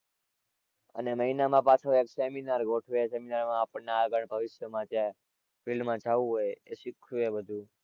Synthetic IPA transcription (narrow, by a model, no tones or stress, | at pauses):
ə̰neməinamãpat͡ʃʰoekseminaɾɡoʈʰʋeseminaɾmãːpəɳnaːɡəɳbʱəʋɪʃjəmãt͡ʃja | filmmãt͡ʃʰaʋũɦojeʃikʰuebəd̪ʱũ